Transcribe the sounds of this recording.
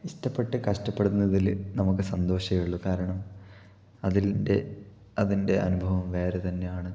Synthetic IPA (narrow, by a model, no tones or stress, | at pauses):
iʂtɐpːe̞ʈːɨkɐʂtɐpːe̞ɽunːɐðilnɐmukːɨsɐnd̪o̞ːɕɐjuɭːɐkaːɾɐɳɐm | ɐðilde | ɐðinde̞ʔɐnubʱɐʋɐmʋe̞ːɾet̪ɐnːe̞jaːɳɨ